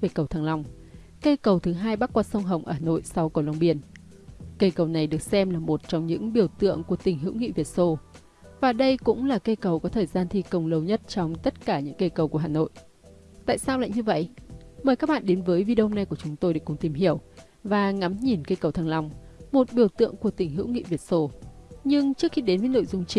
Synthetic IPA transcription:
ve˧˨˩kə˨˩wt̪ʰaː˨˩ŋla˧˩wŋ͡m | kə˧jkə˨˩wt̪ʰɨ˨˦ɦaː˧jɓaː˦˥t̚kwaː˧sə˧wŋ͡mɦə˨˩wŋ͡mʔəː˧˩haː˨˩no̰˧˨jsa˧wkə˨˩wla˧ŋ͡mɓi˧˩ən | kə˧jkə˨˩wna˨˩jɗɨ˨˩ək̚sɛ˧mlaː˨˩mo˨˩t̚t͡ɕɔ˧wŋ͡mɲɨ̰˧˥ŋɓi˧˩əwt̪ɨ̰˧˨əŋku˧˩ət̪ï˨˩ŋ̟ɦɨ̰˧˥wŋḭ˧˨vi˨˩ət̚so˧ | vaː˨˩ɗə˧jkʊ̰˧˥ŋ͡mlaː˨˩kə˧kə˨˩wkɔ˨˦t̪ʰəː˨˩jzaː˧nt̪ʰi˧kə˧˩wŋ͡mlə˧wɲə˦˥t̚t͡ɕɔ˧wŋ͡mt̪ə˦˥t̚kaː˧˩ɲɨ̰˧˥ŋkə˧jkə˨˩wku˧˩əɦaː˨˩no̰˧˨j | t̪a̰ː˧˨jsaː˧wla̰ː˧˨jɲɨ˧və̰˧˨jʔməː˨˩jka˦˥k̚ɓa̰ː˧˨nɗe˨˦nvəː˨˦jvi˧ɗə˧wŋ͡mna˨˩jku˧˩ət͡ɕʊ˨˦ŋ͡mt̪o˧jɗə˨˧˩kʊ˨˩ŋ͡mt̪i˨˩mɦi˧˩əw | vaː˨˩ŋa˨˦mɲi˨˩nkə˧jkə˨˩wt̪ʰaː˧ŋla˧wŋ͡mmo˨˩t̚ɓi˧˩əwt̪ɨ̰˧˨əŋku˧˩ət̪ï˨˩ŋɦɨ̰˧˥wŋḭ˧˨vi˨˩ət̚so˧ɲɨ˧ŋt͡ɕɨ˦˥ək̚xi˧ɗe˨˦nvəː˨˦no̰˧˨jzʊ˧ŋ͡mt͡ɕi˨˦

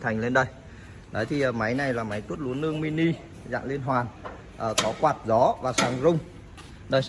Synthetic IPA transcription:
t̪ʰa˨˩jŋ̟le˧nɗə˧˩j | ɗɔ˨˦jt̪ʰi˨˩ʔəː˨˩ma˨˦jna˨˩jlaː˨˩ma˨˦jt̪u˦˥t̚lu˨˦ənːɨ˧əŋmi˧ni˧ | za̰ː˧˨ŋli˧ənɦwaː˨˩n | ʔəː˨˩kɔ˨˦kwaː˨˩t̚zɔ˨˦vaː˨˩saː˨˩ŋzʊ˧wŋ͡m | ɗə˨˧˦j

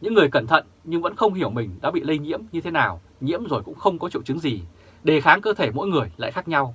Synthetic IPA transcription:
ɲɨ̰˧˥ŋːɨ˨˩əjkə˧˩nt̪ʰə̰˧˨n | ɲɨ˧ŋvə̰˧˥nxə˧wŋ͡mɦi˧˩əwmï˨˩ŋ̟ɗa̰ː˧˥ɓḭ˧˨lə˧jɲḭ˧˥əmɲɨ˧t̪ʰe˨˦naː˨˩w | ɲḭ˧˥əmzo˨˩jkʊ̰˧˥ŋ͡mxə˧wŋ͡mkɔ˨˦t͡ɕḭ˧˨wt͡ɕɨ˨˦ŋzi˨˩ | ɗe˨˩xaː˨˦ŋkəː˧t̪ʰe˧˩mo̰˧˥jŋɨ˨˩əjla̰ː˧˨jxaː˦˥k̚ɲa˧w

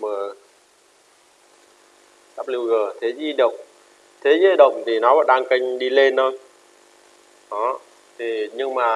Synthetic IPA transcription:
mə˨˩ | saː˦˥p̚li˧wɣəː˨˩t̪ʰe˨˦zi˧ɗə˨˩wk͡p̚ | t̪ʰe˨˦zi˧ɗə˨˩wŋ͡m̚t̪ʰi˨˩nɔ˨˦vɔ̰ː˧˨˩ɗaː˧ŋka˧jŋ̟ɗi˧le˧nːə˧j | ʔɔ˨˦ | t̪ʰi˨˩ɲɨ˧ŋmaː˨˩

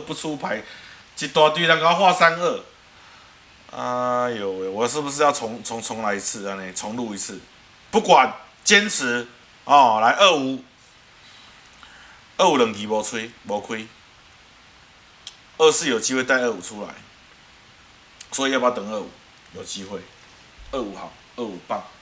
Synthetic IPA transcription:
pu˥˧t͡sʰu˦pʰa˨˦ɪ | t͡ɕi˨˦t̪wa˧t̪y˥˧˦ɾa˥˧ŋka˥˧xwa˥˨sa˦nə˥˩ | a̰˧jo˨˩jo˨˩wʂɻ̩˥˩bu˨˩ʂ̬̩˥˧ja˥˩ʊt͡sʰɔ˨˧˦ŋt͡sʰɔ˧˦ŋt͡sʰɔ˨˦ŋla˨˧ɪi˧˥t͡s̩ʰ˥˨a˨˩ne˨t͡sʰɔ˧˦ŋlu˥˨i˨˦t͡s̩ʰ˥˩ | pu˥˩kwa˨˩n | t͡ɕjɛ˦˥nt͡s̩ʰ˧˦ | ɔ˨˩la˧˦ɪʔə˥˩u˨˩ | ə˥˨u˨˦lə˨˩ŋki˨˦bɔ˨˧˥t͡sʰwe˦bɔ˨˥kʰwi˦ | ə˥˧s̩˥˨jo˨˩ʊt͡ɕi˦we˥˧t̪a˥˧ɪə˥˨u˨˩t͡sʰu˦la̰˨˦ɪ | swɔ˨˥i˨˦ja˥˩a˧˥˩t̪ə˨˩ŋə˥˩ṵ˨˦ | jo˨˩ʊt͡ɕi˦xwe˥˩ɪ | ə˥˩˨u˨˩ha̰˨˦ŋ | ə˥˨u˨˩pa˥˨˩ŋ

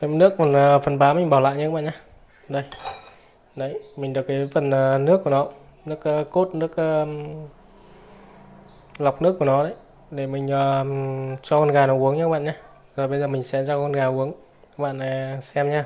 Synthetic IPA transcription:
kaː˨˦jtnɨ˦˥ək̚fə˨˩nəː˨˩fə˨˩nɓaː˨˦mï˨˩ŋ̟ɓaː˧˩wla̰ː˧˨jɲː˧˦ɓa̰ː˧˨ɲaː˧ɗə˧˩j | ɗə˨˦jmi˨˩ŋ̟ɗɨ˨˩əkːaː˨˦fə˨˩nəː˨˩nɨ˦˥əkːu˧˩ənɔ˨˦ | nɨ˦˥ək̚ːkːo˦˥t̚nɨ˦˥ək̚əː˧ | la˨˩wk͡p̚nɨ˦˥əkːu˧˩ənɔ˨˦ɗə̰˨˦j | ɗe˧˩mï˨˩ŋ̟ʔəː˨˩ | t͡ɕɔ˧kɔ˧nɣaː˨˩nɔ˨˦ʔu˨˦əŋɲ̚ː˧˦ɓa̰ː˧˨ɲaː˧ | zo˨˩jɓə˧jzəː˨˩mï˨˩ŋ̟sɛ̰˧˥zaː˧kːknɣaː˨˩ʔu˨˦əŋ | a˦˥ɓa̰ː˧˨na˨˩sɛ˧mɲaː˧

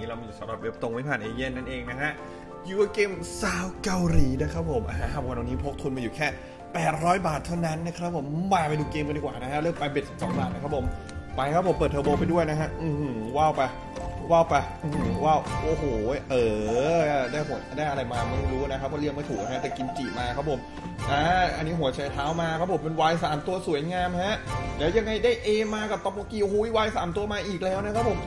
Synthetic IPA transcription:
iː˦˥ɾa˧m˧juː˨˩sa˨˦mɾa˨˩we˦˥p̚t̪o˧ŋma˦˩pʰaː˨˩nʔeː˧je˥˩nːa˥˩nʔeː˧ŋna˦˥kʰa˦˥ʔ | juː˨˩wa˧˩keː˧msaː˦˥wka˧wɾiː˨˩˦naː˧˥˩jkʰɾa˦˥pʰo˨˩˦mʔaː˧˩a˦˥ha˧˩˨nwa˧˩niː˦˥pʰo˦˥k̚t̪ʰu˧nmaː˧juː˨˩kʰɛː˥˩ | pɛː˨˩t̪̚ɾɔː˦˥jbaː˨˩t̪ʰːa˥˩wna˦˥nːa˦˥kʰɾa˦˥p̚ʰːo˨˩˦mːaː˧˩pa˧jduː˧keː˧mka˧ndiː˨˩kwaː˨˩na˦˥kʰa˦˥lɤː˥˩ŋpaː˧be˨˩t̪̚si̥˨˩psɔː˨˩˦ŋbaː˨˩t̪̚na˦˥kʰɾpʰo˨˩˦m | pa˧jkʰa˦˥pʰːo˩˦mpɤː˨˩t̪ʰɤ˧boː˧pa˧jdu˥˩əjna˦˥kʰa˦˥ʔɯː˨˧˩wa˥˩wpa˧j | wa˥˩wpa˧jʔɯ˧˩˨waː˥˩wʔoː˨˩hoː˨˩ʔɤː˨˩ | daː˥˩jɦu˨˩˦daː˥˩jʔa˧ɾa˧jmaː˧ma˥˩ɾuː˦˥˨na˦˥kʰa˦˥pʰːɔː˥li˥˩əŋ̚ma˥˩jt̪ʰu˨˩k̚a˧˩ɦa˦˥t̪ɛː˨˩ki˧nt͡ɕi˨˩maː˧kʰa˦˥pʰo˨˩˦m | ʔaː˦˥ʔa˧nːi˦˥ɦu˩˦ɐt͡ɕʰa˨˩jt̪ʰaː˦˥wmaː˧kʰa˧˦˥pʰo˨˩˦mpe˧nwaː˧jsaː˨˩˦mt̪u˧ɐsu˨˩˦jŋaː˧mha˦˥ʔlɛː˦˥wja˧ŋːa˧jdaː˥˩jʔeː˧maː˧ka˨˩p̚t̪ɔ˧˩mo˧kiː˧ʔo˧˩huː˧˥˦i˦˩waː˧jsaː˩˦mt̪u˧ɐmaː˧ʔiː˨˩k̚lɛː˦˥wna˦˥kʰa˦˥pʰo˨˩˦m

